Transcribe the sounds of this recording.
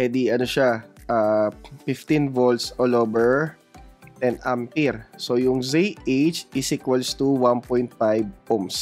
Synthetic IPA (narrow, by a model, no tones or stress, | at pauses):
pɛd̪ɪɐnoʃaʔaːfɪft̪ĩnvolsʔolobɛɹ | t̪ɛnampiɾsojʊŋzejʔejt͡ʃʔɪsikwɐlst̪uwanpojnt̪̚fajb̚poms